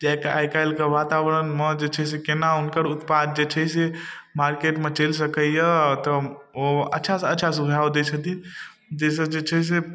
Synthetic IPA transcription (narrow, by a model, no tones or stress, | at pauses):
d͡ʒajka̰jkajlkəʋat̪abɾənməd͡ʒet͡ʃʰəs̬ekenaunkəɾut̪pad̪̚d͡ʒet͡ʃʰəse | maɾkeʈmet͡ʃels̬əkəjət̪ə | oətːʃʰasətːʃʰasubʱaod̪et͡ʃʰət̪in | d͡ʒes̬əd͡ʒet͡ʃʰəs̬e